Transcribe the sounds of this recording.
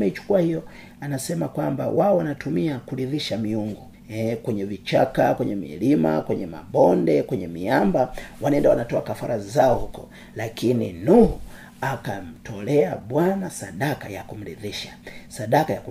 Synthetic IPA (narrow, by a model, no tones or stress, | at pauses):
mɛit͡ʃu̥kuahijɔ | anasɛmakwamba̰waɔwanatumiakuɾiðiʃamiuŋɡu | ɛkwɛɲɛvit͡ʃakakwɛɲɛmḭlima̰kwɛɲɛma̰ɓɔndɛkwɛɲɛmiambawanaɛndawanatɔakafaɾazaɔhukɔ | lakinḭnuhu | akam̩tʰɔlɛaɓwanasaɗakajakum̩ɾiðiʃḁsaɗakajaku